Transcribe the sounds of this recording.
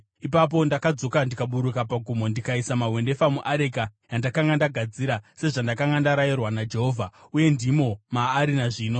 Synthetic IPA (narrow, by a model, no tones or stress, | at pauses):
ipap̬o̞ndakad͡zo̞kandikaɓuɾukapaɡʱumo̞ndikaisamaɦwe̞nde̞famuʔaɾekajandakaŋɡandaɡʱad͡ziɾase̞ʐandakaŋɡandaɾajirwanad͡ʒe̞ɦoːvʱauje̞ndimo̞maːɾinaʐiːno̞